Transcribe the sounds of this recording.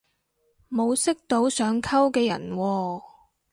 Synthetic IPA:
mo˨˧wsɪ˥k̚t̪o˨˥wsœː˨˧˥ŋkʰɐ˥wkɛː˧jɐ̰˨˩nwɔː˧

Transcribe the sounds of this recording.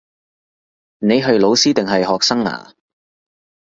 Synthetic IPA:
ne˨˧jɦɵ˧ɥlo˨˧wsiː˥t̪ɪ˨ŋɦɐ˨jɦɔː˨k̚sɐ˥ŋa̰ː˨˩

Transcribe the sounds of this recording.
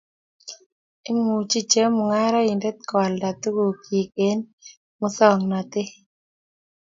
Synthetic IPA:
ɪ˦mu˨t͡ʃi˦t͡ʃə˦mʊ˨ŋa˦ɾa˦i˨ndɛ˦t̪̚kɔ˨lda˨t̪u˦ɡo˨ke˨k̚e˨˦n | mʊ˦sɔ˦˨ŋna˨t̪ɪ˦

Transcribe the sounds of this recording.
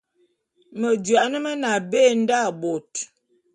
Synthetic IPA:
mə˨d͡ʒɥa˨ʔnə˦mə˦na˨be˦˨n̩˦da˦˨bo˨t

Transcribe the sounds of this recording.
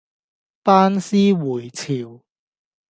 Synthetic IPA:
paː˥nsiː˥wuː˨˩jt͡sʰiː˨w

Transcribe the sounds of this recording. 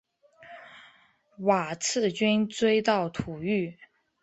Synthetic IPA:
wa˨˩t͡sʰɹ̩˥˩t͡ɕy˥nt͡swe˥ɪt̪ɑ˥˩ʊt̪ʰu˨˩y˥˩

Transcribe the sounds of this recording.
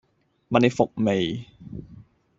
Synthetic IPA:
ma˨ne˨˩fo˨k̚me˨˩j

